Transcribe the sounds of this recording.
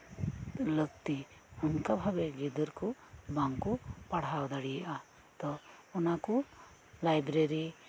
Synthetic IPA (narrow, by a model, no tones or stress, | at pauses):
ləɡt̪i | unkabʱabed͡ʒid̪əɾkubaŋkupaɽ̤awd̪aɽijʔa | t̪ɔunaku | lajbɾeɾi